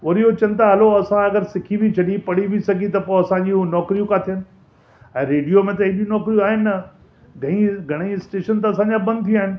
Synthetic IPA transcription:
ɐɾijot͡ɕɐ̃nt̪aɦɐloɐsãɐɡəɾsɪkʰibʱit͡ɕʰɐɗipɐɽiʋʱisɐɡit̪ɐpoɐsãɲd͡ʑinɔːkɾijũkat̪ʰijənɪ̆ | ɛ̃ːɾeːɖijomẽt̪̬ɐiɗijũnɔːkɾijũaːɦɪnɪ̆nːɐ | ɡʱɐɽ̃iɡʱɐɽ̃iɪsʈeːʃənt̪ɐɐsãːɲd͡ʑãbɐ̃nd̪̚t̪ʰĩaːɦɪnɪ̆

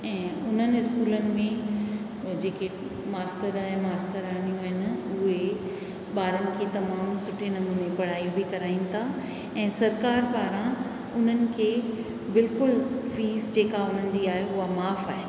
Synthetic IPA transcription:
ɛ̃ːʊn̤ənɪ̆ɪskuːlənɪ̆mẽ | d͡ʑeːke | maːst̪əɾaːɦɛ̃maːst̪əɾaːnijũɦɪn̆ʊɦe | ɓaːɾənɪ̆kʰeːt̪ɐmaːmsʊʈʰinɐmuːnẽpɐɽ̤aːjũbʱɪkɐɾaːĩnɪ̆t̪ʰa | ɛ̃ːsɐɾkaːɾpaːɾã | ʊn̤ənɪ̆kʰeː | bɪlkʊlfiːzd͡ʑeːkaʊn̤ənɪ̆d͡ʑiːaːɦeʊɦamaːfaːɦeː

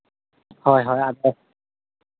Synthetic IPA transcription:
hɔjɦɔjadɛ

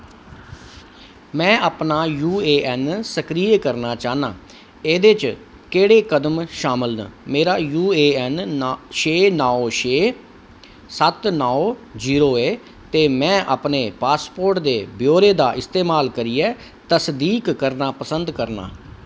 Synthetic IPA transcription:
mɛ̃ːaːpnaːjuːeːʔɛːnsəkɾiːeːkəɾnaːt͡ʃaːna̰ː | eːd̪et͡ʃ | keːɽeːkəd̪əmʃaːmɪlnə̰meːɾaːjuːeːɛnʃeːnɔːoʃeː | sət̪nɔːod͡ʒiːɾoːeː | t̪eːmɛ̃ːʔaːpneːpaːspoːɾʈd̪eːbɪjoːɾeːd̪aːʔɪst̪eːmaːlkəɾiːɛː | t̪əsd̪iːkːəɾnaːpəsənd̪kəɾna̰ː

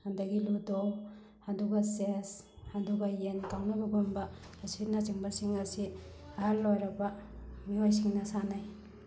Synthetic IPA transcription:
handaɡiludow | aduɡasesaduɡajenkawnabaɡomba | aspit̚nat͡ʃiŋbasiŋasi | aɦaɾlojɾabamiojs̬iŋnɐsanaj

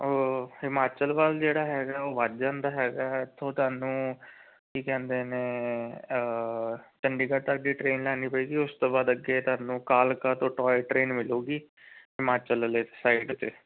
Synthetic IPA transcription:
oːɪmaːt͡ʃəlʋald͡ʒeːɽaːɦɛːɡaːoːʋət̪d͡ʒãːnd̪aːɦɛːɡaːɪt̪ʰːõːt̪ʊaːnũː | kiːkɛ̃ːnd̪eːnẽː | t͡ʃəɳɖiːkəɾt̪əkɖiːʈɾeːnlɛːniːpəiːɡiːʊst̪õːbaːd̪əɡeːt̪aːnũːkaːlkaːt̪õːʈɔːʈɾeːnmɪloːɡiː | ɪmaːt͡ʃəlleːsaːiɖt̪eː

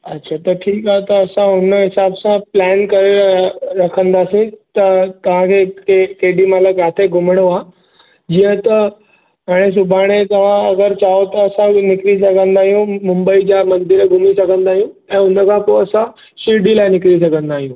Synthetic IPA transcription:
ɐtːɕʰat̪ɐʈʰiːkaɦt̪ɐːsãʊnəɦɪsaːbsãplɛːnkɐɾeɾɐkʰə̃nd̪aːsĩt̪ɐt̪ɐʋ̤ãkʰekekeɦɖimɐt̪ləbjaːt̪ʰeɡʱʊməɽ̃oaː | d͡ʑiːə̃t̪ɐ | ɦaːɽ̃es̬ʊbʱaːɽ̃et̪ɐʋ̤ãɐɡəɾt͡ɕaːot̪ɐːsãnɪkɾis̬ɐɡʱə̃nd̪aːɦijũmʊ̃mbəid͡ʑamɐ̃nd̪ɪɾɡʱʊmisɐɡʱə̃nd̪aːɦijũɛ̃ːʊnəkʰãpoɐsã | siɖilaːɪnɪkɾis̬ɐɡʱə̃nd̪aːɦijũ

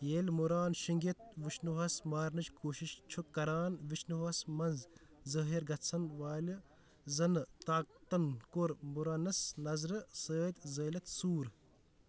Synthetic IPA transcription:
jeːlʲmuɾaːnʃiŋɡʲet̪̚ʋit͡ʃnuʋɐsmaːɾnɨt͡ʃkʰoːʃiʃt͡ʃʰukːɐɾaːnʋit͡ʃnuɐsmɐnz | zɐːɦiɾɡɐt͡sʰɐnʋaːli | zɐnɨt̪aːk̚t̪ɐnkoɾmuɾaːnɐsnɐzɾɨsəːt̪ʲzəːlɐt̪suːɾ

